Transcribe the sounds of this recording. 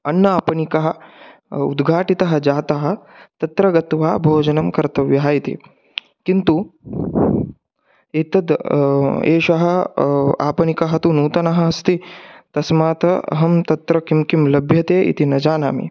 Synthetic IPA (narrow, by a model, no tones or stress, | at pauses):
ɐnːɐaːpɐnikɐɦɐ̆ | ṵd̪ɡʱaːʈit̪ɐɦɐ̆d͡ʒaːt̪ɐɦɐ̆ | t̪ɐt̪ɾɐɡɐt̪ʋaːbʱoːd͡ʒɐnɐmkɐɾt̪ɐʋjɐɦaːjit̪ḭ | kint̪u | et̪ɐd̪ | eːʃɐɦɐa̰ːpɐnikɐɦɐt̪unuːt̪ɐnɐɦɐ̆ɐst̪it̪ɐsmaːt̪ɐɐ̰ɦɐmt̪ɐt̪ɾɐkimkimlɐbʱjɐt̪eːʔḭt̪inɐd͡ʒaːnaːmḭ